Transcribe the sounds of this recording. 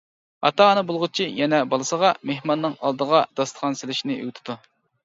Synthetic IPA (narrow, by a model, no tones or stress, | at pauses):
ɑt̪ʰɑɑnɨbolˠʁʊt͡ʃʰijɛnɛbɑlˠɨsəʁɑmehmɑnːɨŋɑ̰lˠd̪əʁɑd̪̥ɑst̪ə̥χɑnsɪlɪʃnɪø̰ɡʲt̪ʰɪ̥d̪u